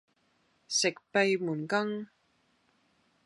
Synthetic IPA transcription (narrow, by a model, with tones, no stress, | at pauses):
sɪ˨k̚pe˨˧jmuː˨˩nkɐ˥ŋ